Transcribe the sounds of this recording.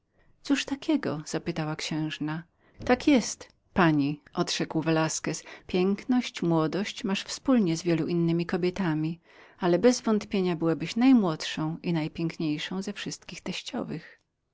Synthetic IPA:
t̪suʂt̪akʲɛɡɔ̰z̥apɘt̪awakɕɛ̃w̃ʐna | t̪akjɛst̪ | paɲiʔɔdʂɛkwvɛlaskɛspʲjɛŋknɔɕt͡ɕmwɔd̪ɔɕt͡ɕmaʂfspulɲɛzvʲjɛluʔinːɘmʲikɔbʲjɛt̪amʲi | alɛbɛzvɔnt̪pʲjeɲabɘwabɘɕnajmwɔt̪ʂɔ̃w̃ʔinajpʲjɛŋkɲejʂɔ̃w̃zɛfʂɘst̪̚kʲixt̪ɛɕt͡ɕɔ̰vɘx

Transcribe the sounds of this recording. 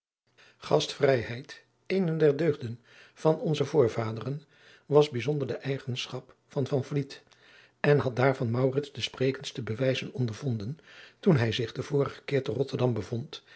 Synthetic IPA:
χɑstfrɛjɦɛjt | ejndɛɹdøɥχdən | v̥ɑnɔnzəvʊːɹvaːdərən | ʋɑzbizɔndəɹdəʔɛjχənsχɑp | fɑnvɑnvlit | ɛnɦɑt̚daːɹvɑnmɑwrɪtzdəspreːkənstəbəʋɛjzənɔndəɹv̥ɔndəntunɦɛjzɪχdəv̥ʊːɹəχə̥kɪːɹtərɔtəɹdɑmbəvɔnt

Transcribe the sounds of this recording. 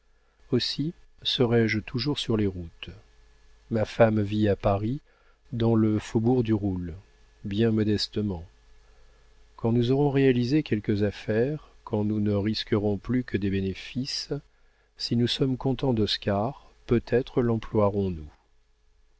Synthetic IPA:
osisəʁɛʒt̪ʰuʒuʁsyʁleʁut̪ | mafamviapaʁi | d̪ɑ̃ləfobuʁd̪yʁul | bjɛ̃mɔd̪ɛst̪əmɑ̃ | kɑ̃nuzɔʁɔ̃ʁealizekʲɛlkəzafɛʁkʰɑ̃nunəʁiskəʁɔ̃plykəd̪ebenefis | sinusɔmkɔ̃t̪ɑ̃d̪ɔskaʁpøt̪ʰɛt̪χəlɑ̃plwaʁɔ̃nu

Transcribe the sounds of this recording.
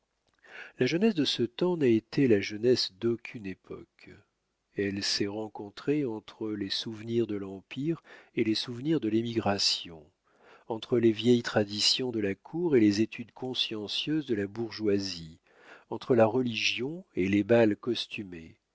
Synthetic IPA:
laʒənɛsd̪əsət̪ɑ̃naet̪elaʒənɛsd̪okʲʰynepʰɔ̰k | ɛlsɛʁɑ̃kɔ̃t̪χeɑ̃t̪χəlesuvniʁd̪əlɑ̃piʁelesuvniʁd̪əlimiɡʁasjɔ̰̃ | ɑ̃t̪χəlevjɛjt̪χad̪isjɔ̃d̪əlakʰuʁelezet̪ʰyd̪kʰɔ̃sjɑ̃sjøzd̪əlabuʁʒwazi | ɑ̃t̪χəlaʁəliʒjɔ̃elebalkɔst̪yme

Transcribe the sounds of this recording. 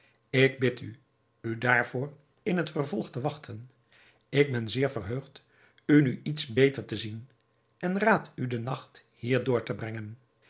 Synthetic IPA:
ɪɡ̚bɪty | ydaːɹvʊːr | ɪnɦətfərvɔlˠχtəʋɑχtʰən | ɪɡ̚bɛnzɪːɹvərɦøɥχt | ynyʔitsbejtəɹtəzin | ʔɛnraːtydənɑχt | hiːɹdʊːɹtəbrɛŋən

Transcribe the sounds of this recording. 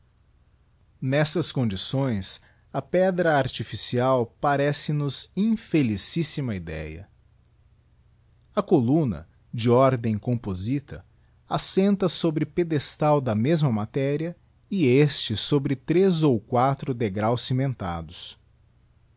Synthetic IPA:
nɛst̪ɐskõnd͡ʒisõj̃s | ɐpɛd̪ɾɐaɾt͡ʃifisiawpaɾɛsɪnʊzĩfelisisimɐid̪ɛ̰jɐ̰ | ɐkolũnɐ̰ | d͡ʒɪɔɾd̪ẽj̃kõpozit̪ɐ | asẽnt̪ɐsobɾɪped̪est̪awd̪ɐmezmɐmat̪ɛɾiɐ | ɪest͡ʃɪsobɾɪt̪ɾezowkwat̪ɾʊd̪eɡɾawsːimẽnt̪a̰d̪ʊs

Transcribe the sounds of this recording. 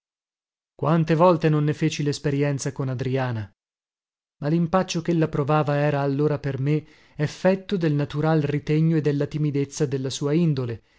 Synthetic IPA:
kwant̪evɔlt̪enonːefeːt͡ʃilespeɾjɛnt̪sakonad̪ɾiaːna | malimpat͡ʃːokelːapɾovaːvaɛːɾaːlːoːɾaperme | efːɛt̪ːod̪elnat̪uɾalrit̪eɲːoed̪ːelːat̪imid̪et̪sːad̪elːasuːaind̪ole

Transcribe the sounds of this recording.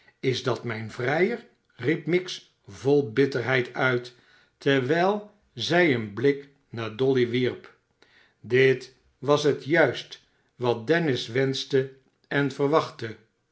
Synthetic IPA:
ɪzdɑtmɛjnvrɛjər | ripmɪks | volˠbɪtəɹɦɛjtʰœɥtː | əɹʋɛjlˠ | zɛjənblɪk | naːɹdɔliʋiɹp | dɪt | ʋɑsɦətjœɥst | ʋɑt̚dɛnɪsʋɛnstə | ɛnvərʋɑχtə

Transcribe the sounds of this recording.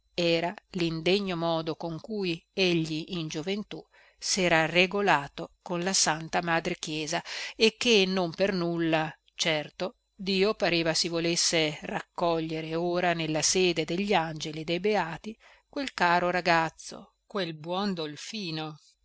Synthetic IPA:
ɛːɾalind̪eɲːomɔːd̪okoŋkujeʎːiʔind͡ʒovent̪u | sɛːɾareɡolaːt̪okonlasant̪amaːd̪ɾek̟jɛːzaek̟ːenompernulːa | t͡ʃɛrt̪o | d̪iːopaɾeːvasivolesːerakːɔʎːeɾeoːɾanelːaseːd̪ed̪eʎːand͡ʒelid̪ejbeaːt̪i | kwelkaːɾoɾaɡat̪sːo̰ | kwelbwɔnd̪olfiːno

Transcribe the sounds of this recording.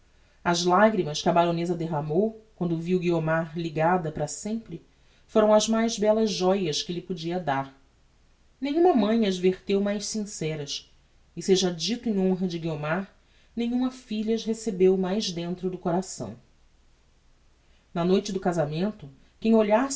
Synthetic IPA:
ɐzlaɡɾimɐʃkɪɐbaɾõnezɐd̪eɦamowkwɐ̃nd̪ʊviwɡiomaɾliɡad̪ɐpɾɐsẽmpɾɪ | foɾɐ̃w̃ɐzmajzbɛlɐzʒɔjɐʃkɪʎɪpod͡ʒiɐd̪aɾ | nẽɲ̃ũmɐmɐ̃j̃ɐd͡ʒveɾt̪ewmajʃsĩsɛɾɐs | ɪseʒɐd͡ʒit̪ʊẽj̃õɦɐd͡ʒɪɡiomaɾ | nẽjɲũmɐfiʎɐʃɦesebewmajʒd̪ẽnt̪ɾʊd̪ʊkoɾasɐ̰̃w̃ | nɐnojt͡ʃɪd̪ʊkazamẽnt̪ʊ | kẽj̃oʎas

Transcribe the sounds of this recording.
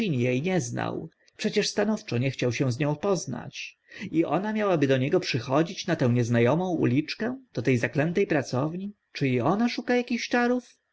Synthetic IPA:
iɲjejɲɛzna̰w | pʂɛt͡ɕɛʂst̪anɔft͡ʂɔɲɛxt͡ɕawɕɛ̃w̃zɲɔ̃w̃pɔzna̰t͡ɕ | iʔɔ̰namʲjawabɘd̪ɔɲɛɡɔpʂɘxɔd͡ʑit͡ɕnat̪ɛ̃w̃ɲɛznajɔmɔ̃w̃ṵlʲit͡ʂkɛd̪̥ɔt̪ɛjzaklɛnt̪ɛjpɾat̪sɔvɲi | t͡ʂɘiɔnaʂukajakʲiɕt͡ʂaɾuf

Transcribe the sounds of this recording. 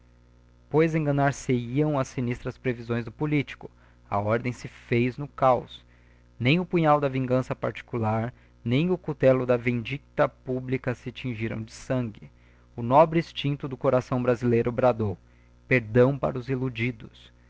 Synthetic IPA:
pojzẽŋɡɐ̃naɾseiɐ̃w̃ɐsinist̪ɾɐspɾevizõj̃zd̪ʊpolit͡ʃi̥kʊ | ɐ̰ɔɾd̪ẽj̃sɪfejznʊkaws | nẽj̃ʊpũɲawd̪ɐvĩŋɡɐ̃sɐpaɾt͡ʃi̥kulaɾ | nẽj̃ʊkut̪ɛlʊd̪ɐvẽd͡ʒikt̪ɐpublikɐsɪt͡ʃĩʒiɾɐ̰̃w̃d͡ʒɪsɐ̃ɡɪ | ʊnɔbɾɪist͡ʃĩnt̪ʊd̪ʊkoɾasɐ̃w̃bɾazilejɾʊbɾad̪ow | peɾd̪ɐ̃w̃pa̰ɾɐʊzilud͡ʒid̪ʊs

